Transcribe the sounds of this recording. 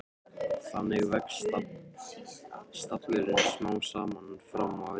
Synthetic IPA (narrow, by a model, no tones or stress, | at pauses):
θanɛɣʏvɛk̪ | st̪at̪vɪɾɪnsmaːwsaːmannfɾamːav